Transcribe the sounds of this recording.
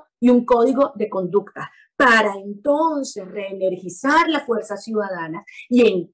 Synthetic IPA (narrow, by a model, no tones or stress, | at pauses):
iuŋko̞ðiɣo̞ðe̞ko̞nd̪ukt̪a | paɾaent̪o̞nse̞sre̞ːne̞ɾxisaɾlasfwe̞ɾsasjuðaðanasie̞ŋ